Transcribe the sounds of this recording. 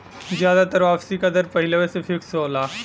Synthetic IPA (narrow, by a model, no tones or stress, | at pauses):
zjaːd̪at̪ɐɾʋaːpsikad̪əɾpɐɦɪləʋesefʰɪksɦoːlaː